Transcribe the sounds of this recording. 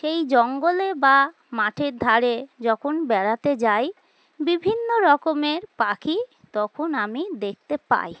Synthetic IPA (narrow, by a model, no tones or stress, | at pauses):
ʃejd͡ʑɔŋɡoleba | maʈʰeɾd̪ʱaɾed͡ʑɔkʰonbɛɽat̪ed͡ʑaj | bibʱinːoɾɔkomeɾpakʰi | t̪ɔkʰonamid̪ek̚ʰt̪epa̰j